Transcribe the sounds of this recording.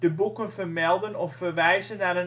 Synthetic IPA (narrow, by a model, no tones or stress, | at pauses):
d̥əbukənfərmɛlˠdənɔfːərʋɛjzənːaə